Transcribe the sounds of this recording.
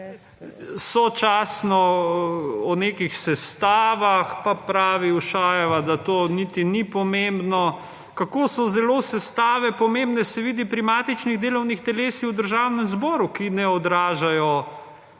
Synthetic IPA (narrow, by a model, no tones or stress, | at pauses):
sɔt͡ʃaːsnɔ | ɔneːkixsɛst̪aːʋaxpapɾaːʋiuʃaːjɛʋad̪at̪oːnit̪inipɔmembnɔ | kakoːsɔzɛloːsɛst̪aːʋɛpɔmembnɛsɛʋiːd̪ipɾimaːt̪it͡ʃniɣd̪eːlɔwnixt̪ɛleːsiwd̪əɾʒaːwnɛmzbɔːɾukinɛɔd̪ɾaːʒajɔ